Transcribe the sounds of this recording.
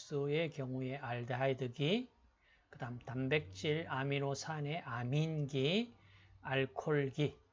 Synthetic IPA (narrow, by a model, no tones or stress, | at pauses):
s͈uekjʌŋue̞ʔaɭdaidɯɡi | kɯdamtambek̚t͡ɕ͈iɾamiɾosʰaneʔaminɡi | aɭkʰoɭɡi